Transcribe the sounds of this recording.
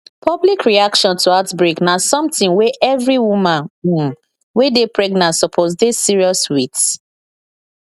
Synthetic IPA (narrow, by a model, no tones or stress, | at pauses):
pʰɔblikɹiakʃɔ̃ntʰuatbɹiknasɔ̃mtĩŋweʔɛvɹiwumãnu | wedepʰɹɛɡnãntsɔpʰosdesiɹiɔswit